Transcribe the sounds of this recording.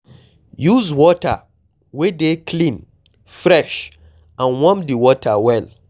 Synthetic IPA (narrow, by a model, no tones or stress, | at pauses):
juswɔtʰa̰ | wedekʰlĩn | fɾɛʃ | ãnwɔ̃mdiwɔtʰawɛl